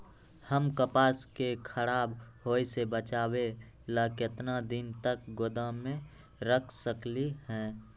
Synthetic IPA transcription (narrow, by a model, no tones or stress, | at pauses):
həmkəpaːskekʰəɽaːbɦoːisebət͡ʃaːwe | laːkɪt̪nad̪int̪ək̚ɡod̪ãmẽ | ɾəkʰsəklihɛ̃ː